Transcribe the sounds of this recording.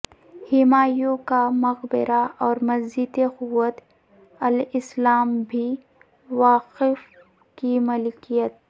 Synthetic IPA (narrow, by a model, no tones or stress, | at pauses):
hɪmaːjõkamɐɣbɪ̰ɾaʔɔːɾmɐzd͡ʒit̪eqʊwːət̪ | ɐlɪslaːmbʱi | waːqɪf | kimɐlɪkijət̪̚